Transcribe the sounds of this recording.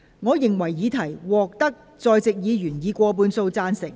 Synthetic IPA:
ŋɔː˨˧jɪ˨ŋwɐ˨˩jːiː˨˧˥t̪ʰɐ˨˩jwɔː˨k̚t̪ɐ˥k̚ | t͡sɔː˧jt͡sɪ˨k̚jiː˨˧jyː˨˩njiː˨˧kʷɔː˧p̬uː˨˧nso˧wt͡saː˧nsɪ˨˩ŋ

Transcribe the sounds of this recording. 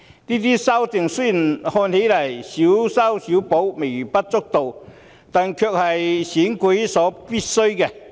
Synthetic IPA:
t̪i˦˥t̪i˦˥sa˥wt̪i˨˩ŋsu˥ji˨˩nhɔ˧nhe˧˥la˨˩jɕi˨˧˦wsa˦˥wɕi˨˦wpo˨˧˥wme˨˩jpa˦˥t̚t͡so˥k̚t̪o˨˩w | t̪a˧˨nkʰœ˧k̚ha˨˩jɕi˨˥nki˨˦jsɔː˨˦pi˥sə˥ɥkɛ˧˩

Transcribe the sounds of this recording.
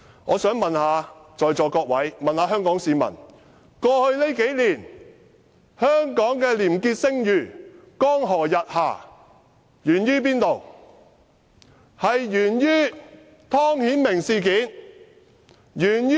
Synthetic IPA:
ŋɔ̰ː˨˧sœː˨˥ŋmɐ˨nhaː˨˧t͡sɔː˨jt͡sɔː˨kɔː˧k̚wɐ˨˥jmɐ˨nhaː˨˧˥ɦœː˥ŋkɔː˨˥ŋsiː˨˧mɐ̰˨˩n | kɔː˧hɵ˧ɥle˥jke˨˥jliː˨˩n | hœː˥ŋkɔː˨˥ŋkɛː˧liː˨˩mkiː˧t̚sɪ˥ŋjyː˨˩kɔː˥ŋɦɔː˨˩jɐ˨t̚ha̰ː˨˩ | jyː˨˩njyː˥p̬iː˥nt̪o˨˩w | hɐ˨jjyː˨˩njyː˥ | t̪ʰɔː˥ŋhiː˨˥nmɪ˨˩ŋsiː˨kiː˨˥n | jyː˨˩nː˥

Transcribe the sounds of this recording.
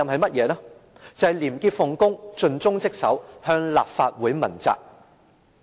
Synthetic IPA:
ɐ˨mɦɐ˨jmɐ˥t̚jɛː˨˧laː˥t͡sɐ˨ɐ˨jliː˨˩mkiː˧t̚fʊ˨˩ŋkʊ˥ŋt͡ʃɵ˨˧nt͡sʊ˥ŋt͡sɪ˥k̚sɐ˨˥whœː˧ŋlaː˨p̚faː˧t̚wuː˨˥jmɐ̰˨˩nt͡sa̰ː˨k̚

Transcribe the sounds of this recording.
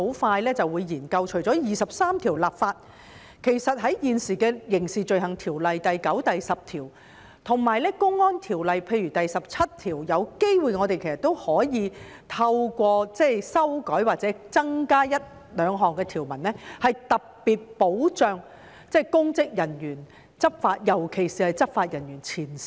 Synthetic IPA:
o˨˧˥wfaː˧jlɛː˥t͡sɐ˨wuː˨˧jːiː˨˩nkɐ˧wt͡ʃʰɵ˨˩ɥt͡sɔː˨˥jiː˨sɐ˨p̚saː˥mt̪ʰiː˨˩wlaː˨p̚faː˧t̚ | kʰe˨˩jsɐ˨t̚ɦɐ˨˥jjiː˨nsiː˨˩kɛː˧jɪ˨˩ŋsiː˨t͡ʃɵ˧ɥhɐ˨˩ŋt̪ʰiː˨˩wlɐ˨jt̪ɐ˨jkɐ˨˥wt̪ɐ˨jsɐ˨p̚t̪ʰiː˨˩w | t̪ʰʊ˨˩ŋmaː˨jlɛː˥kʊ˥ŋːɔː˥nt̪ʰiː˨˩wlɐ˨jpʰe˧jyː˨˩t̪ɐ˨jsɐ˨p̚t͡sʰɐ˥t̚t̪ʰiː˨˩wjɐ˨˧wke˥jwuː˨jŋɔː˨˧t̪e˨jkʰe˨˩sɐ˨˩t̪ːo˥whɔː˨˥jiː˨˧ | t̪ʰɐ˧wkʷɔː˧t͡sɛ˥jsɐ˥wkɔː˨˥jwaː˨t̚t͡sɛː˨˥t͡sɐ˥ŋkaː˥jɐ˥t̚ | lœː˨˧ŋɦɔː˨˩ŋkɛː˧t̪ʰiː˨˩wmɐ˨˩nlɛ˥hɐ˨jt̪ɐ˨k̚piː˨t̚po˨˥wt͡ʃœː˨˧ŋ | t͡sɛː˥˩kʊ˥ŋkɪ˥k̚jɐ˨˩njyː˨˩n | t͡sɐ˥p̚faː˧t̚jɐ˨˩wkʰe˨˩jsiː˨hɐ˨jt͡sɐ˥p̚faː˧t̚jɐ˨˩njyː˨˩nt͡sʰiː˨˩nsi̥

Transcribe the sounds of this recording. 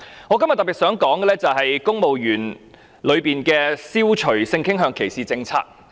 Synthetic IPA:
ŋɔː˨˧kɐ˥mjɐ˨t̪ɐ˨pi˨˩tsœː˨˥ŋkɔː˨˥ŋɡɛ˨lɛː˥t͡sɐ˨wɦɐ˨jkʊ˥ŋmo˨wjyː˨˩n | lɵ˨˧ɥpiː˨nkɛː˧siː˥wt͡ʃʰɵ˨˩sɪ˧ŋkʰɪ˥ŋɦœː˧ŋkʰe˨˩jsiː˨˩t͡sɪ˧ŋt͡sʰa̰ː˧k̚

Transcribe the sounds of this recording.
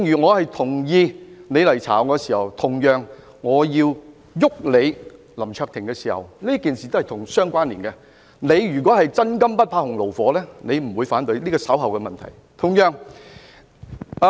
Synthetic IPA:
ŋjyː˨˩ŋɔː˨˧hɐ˨jt̪ʰʊ˨˩ŋjiː˧ne˨˧jlɐ˨˩jt͡sʰa̰ː˨˩wkɔː˧siː˨˩hɐ˨wt̪ʰʊ˨˩ŋjœː˨ŋː | ɔː˨˧jiː˧w | jʊ˥k̚le˨˧j | lɐ˨˩mt͡ʃʰœː˧k̚t̪ʰɪ˨˩ŋkɛː˧siː˨˩hɐ̰˨wliː˥kiː˨nsi˨t̪o˥hɐ˨˩jt̪ʊ˨˩ŋsœː˥ŋkʷaː˥nliː˨˩nkɛ˧ | ne˨˧jɥyː˨˩kwɔː˨˥hɐ˨jt͡sɐ˥nkɐ˥mpɐ˥t̚pʰaː˧hʊ˨˩ŋlo˨˩wfɔː˨˥lɛː˥ne˨˧jm̩˨˩wuː˨˧jfaː˨˥nt̪ɵ˨˧ɥliː˥kɔː˧sɐ˨˥wɦɐ˨wkɛ˧mɐ˨nt̪ʰɐ̰˨˩j | t̪ʰʊ˨˩ŋjœː˨˩ŋ

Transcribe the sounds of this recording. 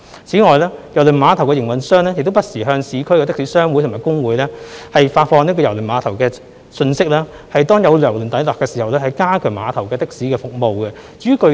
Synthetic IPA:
t͡sʰiː˨˥ŋɔː˨jlɛː˥jɐ˨˩wlɵ˨˩nmaː˨˧t̪ʰɐ˨˩wkɛ˧jɪ˨˩ŋwɐ˨nsœː˥ŋlɛː˥jɪ˨k̚t̪o˥wpɐ˥t̚siː˨˩ɦœː˧ŋsiː˨˧kʰɵ˥ɥjkɛ˧t̪ɪ˥k̚siː˨˥sœː˥ŋwuː˨˥t̪ʰmː˨˩kʊ˥ŋwuː˨˧˥jlɛː˥hɐ˨jfaː˧t̚fɔː˧ŋni˥kɔː˧jɐ˨˩wlɵ˨˩nmaː˨˧t̪ʰɐ˨˩wkɛː˧ | sɵ˧nsɪ˥k̚lɛː˥ | hɐ˨jt̪ɔː˥ŋjɐ˨˧wlœː˨˩ŋlɵ˨˩nt̪ɐ˨˥jlɔː˨˩kːɛː˧siː˨˩hɐ˨wlɛ˥hɐ˨jkaː˥kʰœ˨˩maː˨˧t̪ʰɐ˨˩wkɛː˧t̪ɪ˥k̚siː˨˥kɛː˧fʊ˨k̚mo˨˧wkɛ˧t͡sy˨˥kɵ˧

